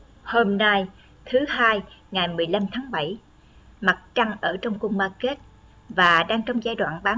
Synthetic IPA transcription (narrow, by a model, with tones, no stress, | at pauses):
ho˧mna˧j | t̪ʰɨ˨˦ɦaː˧jŋa˨˩jmɨ˨˩əjla˧mt̪ʰaː˨˦ŋɓə˧˩j | ma˨˩t̚t͡ɕa˧ŋʔəː˧˩t͡ɕɔ˧wŋ͡mku˧ŋ͡mmaː˧ke˦˥t̚ | vaː˨˩ɗaː˧ŋt͡ɕɔ˧wŋ͡mzaː˧jɗwaː˧˨nɓaː˨˦